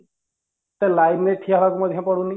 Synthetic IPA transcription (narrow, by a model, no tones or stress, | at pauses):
t̪ɛlajbneʈʰiaɦbakumɔd̪ʱjãpɔɽuni